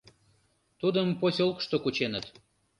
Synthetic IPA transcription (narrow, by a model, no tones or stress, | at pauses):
t̪ud̪əmposʲolˠkʃt̪okut͡ɕenət̪